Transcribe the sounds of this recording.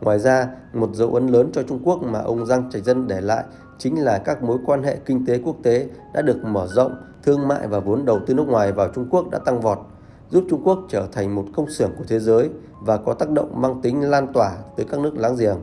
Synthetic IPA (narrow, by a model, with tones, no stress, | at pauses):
ŋwaː˨˩jzaː˧mo˨˩t̚zə̰˧˨wʔə˨˦nləː˨˦nt͡ɕɔ˧t͡ɕʊ˧ŋ͡mku˦˥ək̚maː˨˩ʔə˧wŋ͡mza˧ŋt͡ɕa˨˩jk̚zə˧nɗe˧˩la̰ː˧˨j | t͡ɕï˨˦ŋ̟laː˨˩kaː˦˥k̚mo˨˦jkwaː˧nɦḛ˧˨kï˧ŋ̟t̪e˨˦ku˦˥ək̚t̪e˨˦ɗa̰ː˧˥ɗɨ˨˩ək̚məː˧˩zə̰˧˨wŋ͡m | t̪ʰɨ˧əŋma̰ː˧˨jvaː˨˩vo˨˦ənɗə˨˩wt̪ɨ˧nɨ˦˥ək̚ŋwaː˨˩jvaː˨˩wt͡ɕʊ˧ŋ͡mku˦˥ək̚ɗa̰ː˧˥t̪a˧ŋvɔ˨˩t̚ | zu˦˥p̚t͡ɕʊ˧ŋ͡mku˦˥ək̚t͡ɕəː˧˩t̪ʰa˨˩jŋ̟mo˨˩t̚kə˧wŋ͡msɨ˧˩əŋku˧˩ə˩t̪ʰe˨˦zəː˨˦j | vaː˨˩kɔ˨˦t̪aː˦˥k̚ɗə̰˧˨wŋ͡mmaː˧ŋt̪ï˨˦ŋ̟laː˧nt̪waː˧˩t̪əː˨˦kaː˦˥k̚nɨ˦˥ək̚laː˧˥ŋzi˨˩əŋ